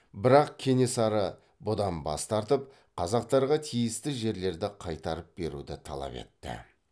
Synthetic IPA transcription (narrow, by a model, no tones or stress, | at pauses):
bɪɾɑq̚kʲʰe̞ne̞sɑɾə | bʊd̪ɑnbɑ̰st̪ɑɾt̪əp̚ | qʰɑzɑq̚t̪ɑɾʁɑt̪ʰijɪst̪ɪʒe̞ɾle̞ɾd̪ɪqʰɑjt̪ɑɾəp̚be̞ɾṵd̪ɪt̪ʰɑ̰lˠɑ̰pe̞̰t̪ːɪ̰